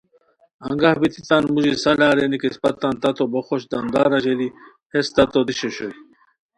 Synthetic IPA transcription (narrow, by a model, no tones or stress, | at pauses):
ɐ̰ŋɡahbit̪it̪anmuʑisalaːɾenikespɐt̪ːant̪ɐt̪oboxoɕd̪and̪aːɾaʑeli | hest̪ɐt̪od̪iɕoɕoj